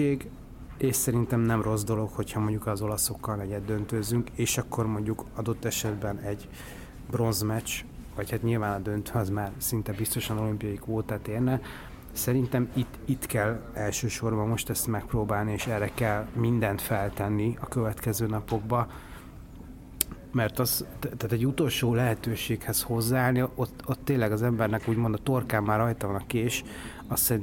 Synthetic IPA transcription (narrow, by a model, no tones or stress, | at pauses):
eːɡ | eːʃsɛɾint̪ɛmnɛmro̞zd̪o̞lo̞kho̞chɒmo̞ɲɟukɒzo̞lɒso̞kːɒlnɛɟɛd̪ːønt̪øzyŋkeːʃɒkːo̞rmo̞ɲɟukɒd̪o̞t̪ːɛʃɛd̪bɛnɛɟ | bro̞nzmɛt͡ʃvɒchat̪ɲilvaːnɒd̪ø̞nt̪øɒzmaːrsint̪ɛbist̪o̞ʃɒno̞limpijɒjikʋoːt̪aːt̪eːrnɛ | sɛɾint̪ɛmit̪ːit̪kɛlːɛlʃøːʃo̞rbɒmːo̞ʃt̪ɛst̪mɛk̚proːbaːlnieːʃɛrːɛkɛlmind̪ɛnt̪fɛlt̪ɛnːiɒkøvɛt̪kɛzøːnɒpo̞ɡ̚bɒ | mɛrt̪ɒzt̪ːaːt̪ɛɟːut̪o̞lʃoːlɛɦɛt̪øːʃeːkhɛsho̞zːaːlniot̪ot̪ːeːnlːɛɡɒzɛmbɛrnɛkuːɟmo̞nd̪ɒt̪o̞rkaːmːaːrɒjt̪ɒvɒnɒkeːʃ | ɒst̪ːɛin